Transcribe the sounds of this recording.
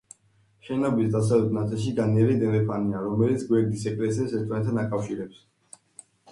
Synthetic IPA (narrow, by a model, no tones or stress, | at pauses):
ʃɛnabisd̪as̬alɛt̪̚ʰnat̪sʼilˠʃiɡaniɛɾid̪ɛmɛpʰaniaɾɔmɛlit̪sʰɡwɛɾd̪isɛkʼlɛsiasɛɾt̪ʰʼanɛt̪ʰanakʼafʃiɾɛps